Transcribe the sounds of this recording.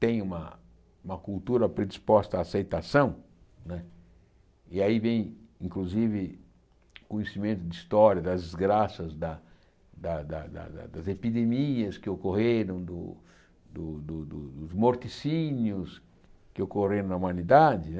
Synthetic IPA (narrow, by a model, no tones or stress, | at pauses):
t̪ẽj̃ũmɐ | ũmɐkult̪uɾɐpɾed̪ispɔst̪ɐaːsejt̪asɐ̃w̃ | nɛ | iaivẽj̃ĩŋkluzivɪ | kõɲesimẽnt̪ʊd̪ist̪ɔɾjɐd̪ɐzd̪izɡɾasɐzd̪ɐ | d̪ɐd̪ɐd̪ɐ̰d̪ɐ̰d̪ɐzepid̪emiɐskɪokoheɾɐ̃w̃d̪ʊ | d̪ʊd̪ʊd̪ʊd̪ʊzmoɾt̪isĩnjʊs | kɪokoɾeɾ̃nɐumɐ̃nid̪ad͡ʒ̪ɪ